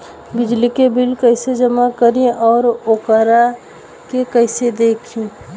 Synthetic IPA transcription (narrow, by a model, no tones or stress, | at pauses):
bɪd͡ʒlikebɪlkəɪsed͡ʒəmakəɾẽʔɔːɾoːkaɾa | kekəɪsed̪eːkʰĩ